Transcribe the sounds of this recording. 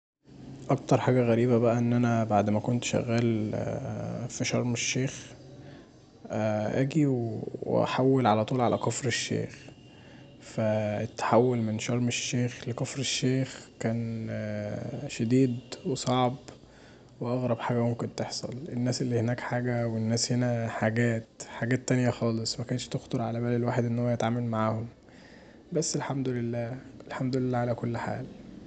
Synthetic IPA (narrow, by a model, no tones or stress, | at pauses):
ʔɑk̚t̪ɑɾˤħaːɡæɣæɾiːbæbæʔæʔenːʔænæbaʕd̪mækont̪ʃæ̰ɣːæːl | fiʃɑɾˤmeʃːeːx | ʔæʔæ̰ːɡiwwḛʔæ̰ħawːelʕalæt̪ˤuːlʕalʔækɑfɾeʃːḛːx | fæet̪ːḁħawːolmenʃɑɾˤmeʃːeːxlekɑfɾeʃːeːxkæːn | ʃæd̪iːd̪wesˤɑʕb | weʔɑɣɾˤɑbħaːɡæmomkent̪eħsˤɑ̰lʔenːæːselːihenæːkħaːɡæwenːæːshenæħaɡæːt̪ħaɡæːt̪ːænjæxɑːlesˤmækæːnʃt̪ext̪ˤeɾˤʕalæbæːlelwaːħed̪ʔenːhowːæjet̪ʕaːmælmaʕaːhom | bæsːelħamd̪olelːæːʔelħamd̪olelːæːʕalækolːħa̰ːl